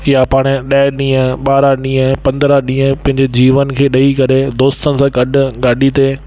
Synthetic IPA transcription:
ɪjapaːɽ̃eɗɐɪɗĩːə̃ɓaːɾaɗĩːə̃pɐ̃nd̪ɾaɗĩːɦə̃pɐ̃ɦɪ̃ɲd͡ʑed͡ʑiːʋənkʰeːɗɐikɐɾed̪oːst̪ənɪ̆sãɡɐɗʊ̆ɡaːɖit̪eː

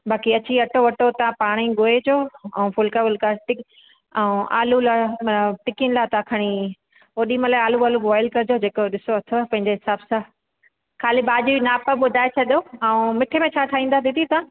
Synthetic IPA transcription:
bʱaːkiɐt͡ɕiɐʈoʋɐʈot̪ɐãpaːɽ̃iɡoːed͡ʑoːɛ̃ːfʊlkaʋʊlkaʈɪ | ɛ̃ʔa̰ːlulaʈɪkɪnɪlaːt̪ãkʰɐɽ̃i | oɗĩːməlaːaːluaːluaːɪlkɐɾɪd͡ʑod͡ʑeːkoɗɪsoɐt̪ʰopɐ̃ɦɪ̃ɲd͡ʑeɦɪsaːbsã | kʰaːlibaːd͡ʑuinaːpəɓʊd̪ʱaːet͡ɕʰɐɗijoaũmɪʈʰemẽt͡ɕʰaːt̪ʰaːĩːn̆d̪ad̪it̪ʰit̪ãː

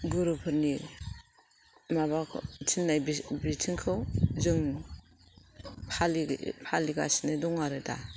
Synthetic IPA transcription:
ɡuɾupʰɯɾni | maβakʰitʰinːajbibitʰiŋkʰɯwzɯŋ | pʰalipʰaliɡa̰sinɯdɔŋaɾɯda̰

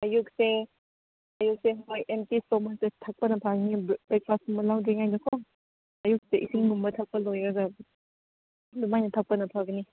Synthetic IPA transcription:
ɐjuk̚se | ɐjuk̚seɦojʔemtistomansetʰak̚pɐnɐpʰaɡniblek̚pasuŋmɐlawdiŋajdɐkʰɔ | ɐjuk̚seʔisʰiŋnumbɐtʰak̚pɐlojaɡɐ | dumajnɐtʰak̚pɐnɐpʰaɡɐni

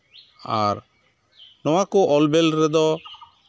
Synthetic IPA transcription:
aɾ | nɔwakɔʔɔlbɛlɾɛd̪ɔ

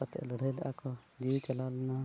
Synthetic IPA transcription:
ət̪ləɽ̤ʱəlakɔd͡ʒit͡ʃəlalna

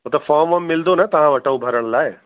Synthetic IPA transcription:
ɦot̪ɐfʰɔːmʋɐmːɪld̪onɐt̪ɐãʋɐʈaubʱɐɾəɽ̃laːe

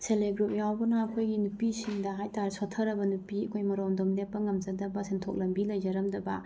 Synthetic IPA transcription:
seleɡɾup̚jawbɐnɐːkʰojɡinupisiŋdɐɦajtaɾsotʰːɐɾɐbɐnupiɐkʰojmɐɾomdomlepːɐŋɐmzɐdɐbɐsentʰok̚lɐmbilɐjd͡ʒɐɾɐmdɐbɐ

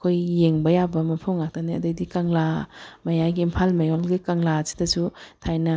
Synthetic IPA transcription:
kʰojːeŋbɐjabɐmɐpʰuŋlak̚taniɐ̰dajdikaŋlamɐjajɡiimpʰalmɐjɔlɡikaŋlasi̥tɐsutʰajnɐ

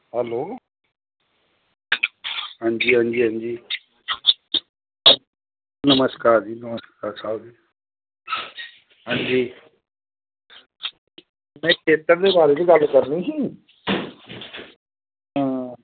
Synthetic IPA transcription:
ɦɛloː | ɦãːɲd͡ʒiːɦãːɲd͡ʒiːɦãːnd͡ʒiː | nəməskaːɾd͡ʒiːnəməskaːɾsaːud͡ʒiː | ɦãːɲd͡ʒiː | mɛ̃ːkʰeːt̪əɾd̪eːbaːɾeːt͡ʃiɡəlkəɾniːɦĩː | ɦãː

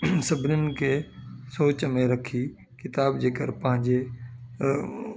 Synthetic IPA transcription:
sɐbʱɪnənɪ̆kʰesoːt͡ɕmẽɾɐkʰi | kɪt̪aːbd͡ʑeːkəɾpɐ̃ɦɪ̃ɲd͡ʑe

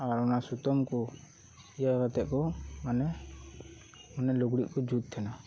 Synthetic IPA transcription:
aɾɔnasut̪ɔmkɔ | ijaɡat̪ɛʔkɔmanɛ | ɔnɛlɔɡɽiʔkɔd͡ʒut̪̚t̪ʰːɛna

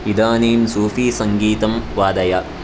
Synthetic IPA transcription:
id̪aːneːmsuːfiːsɐŋɡiːt̪ɐmʋaːd̪ɐjɐ

